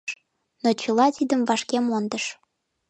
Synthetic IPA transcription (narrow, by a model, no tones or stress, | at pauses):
not͡ɕəlɑt̪id̪əmvɑʃkemond̪əʃ